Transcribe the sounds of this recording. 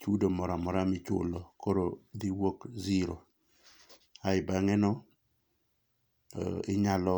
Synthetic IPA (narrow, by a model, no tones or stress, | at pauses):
t͡ʃudomɔɾamɔɾamɪt͡ʃʊ̰lɔkoɾodiwokziɾo | aɪbaŋɛnɔ | ɪɲalɔ